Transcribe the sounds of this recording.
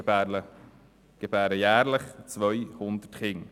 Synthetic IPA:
ə | ɡ̥əbæːɾəjæːɾləχt͡svʋœʏhʊnd̪ətχɪŋ

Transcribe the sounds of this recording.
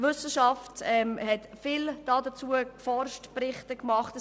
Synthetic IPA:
vʏsəʃɑftɛmhɛt | fɪld̥ɑːdət͡suəkfɔɾʃtprɪχtəkmɑχtə

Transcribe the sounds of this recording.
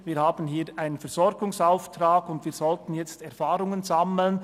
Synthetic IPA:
viːhaːbən̩hiːɾʔaɪnənfɛʁz̥ɔɾɡʊŋsaʊftʁaːɡʊndviːzɔltn̩jɛt͡stɛɐfaːɾʊŋənzaml̩n

